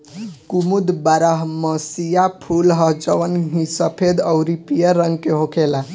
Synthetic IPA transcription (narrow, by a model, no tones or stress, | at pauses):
kumud̪baɾəɦməsijapʰulɦəɦd͡ʒəʋənɦĩsəpʰed̪əʊɾipijəɾəŋɡkeɦokʰela